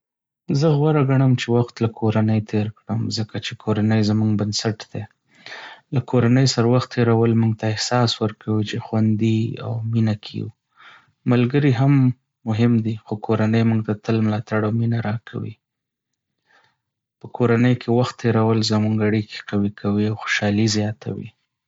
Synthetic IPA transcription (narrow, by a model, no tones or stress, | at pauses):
zəɣwaɾaɡaɳəmt͡ʃewaxt̪lakʰoɾanəjt̪ʰeɾkɽəmzəkat͡ʃekʰoɾanəjzmuŋɡbansaʈd̪̥e | lakoɾanəjsaɾawaxt̪ʰːeɾawəlmuŋɡ̚t̪aɪhsɑswəɾkʰawit͡ʃexwand̪ia̰wminakʰḭw | malɡəɾiɦamː | ʊɦɪmd̪ixokʰoɾanəjmuŋɡt̪d̪at̪əlmlɑt̪aɽawminaɾɑkʰa̰wḭ | pəkʰoɾanəjkʰewaxt̪ʰːeɾawəlzamuŋɡaɽikʰe̥qawikʰawiawxo̥ʃɑlizjɑt̪ʰa̰wḭ